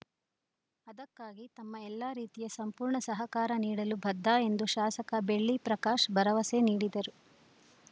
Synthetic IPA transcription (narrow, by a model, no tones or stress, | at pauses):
ɐd̪ɐkːaːɡit̪ɐmːɐɛlːaːɾiːt̪ijɐsɐmpuːɾɳɐsɐɦɐkaːɾɐniːɽɐlubʱɐd̪ʱːaːe̞nd̪uʃaːsɐkɐbe̞ɭːipɾɐkaːʃbʱɐɾɐʋɐse̞niːɽid̪ɐɾu